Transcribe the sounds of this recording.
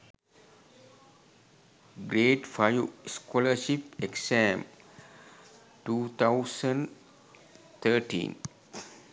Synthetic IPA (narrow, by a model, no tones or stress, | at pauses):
ɡɾeːʈfajuskɔləʃipeksɛ̃m | ʈut̪ʰaʊsə̃n | t̪ʰəʈḭ̃n